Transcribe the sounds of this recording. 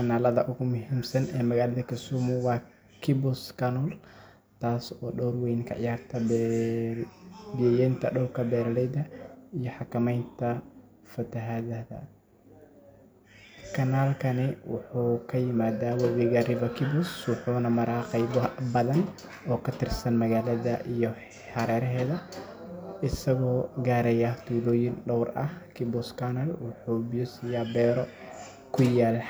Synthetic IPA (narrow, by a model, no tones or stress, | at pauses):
kʰɐnaːlɐðɐ̰ʔʊɣʊmʊɦiːmsɐnɛːmɐɣaːlɐðɐkʰɐsuːmʊwɑː | kʰɪbɔskʰɐnɔl | t̪ʰaːsɔːɗɔːrwɛjnkʰɐ̰ʕɪ̰jaːrt̪ʰɐb | bɪjɛjɛnt̪ʰɐɗɔwkʰɐbɛːɾɐlɛjd̪ɐijɔħɑkɐmɛjnt̪ʰɐ | fɐt̪ʰɐɦaðɐðɐ̰ | kʰɐnaːlkʰɐnɪwʊ̰ħuːkʰɐjɪmaːðaːwɐwiɣɐrɪvɐkʰɪbɔswʊħuːnɐmɐɾaːqɛjbbɐðɐn | ɔːkʰɐt̪ʰɪrsɐnmɐɣaːlɐðɐʔijɔ | ħɑɾɛːɾɐɦɛːðɐ | ɪsɐɣɔːɡaːɾɛjat̪ʰuːlɔːjɪnɖɔwrɐ̰hkʰɪbʊskʰɐnɐlwʊħuːbiusɪjaːbɛːɾɔ | kʰʊjaːl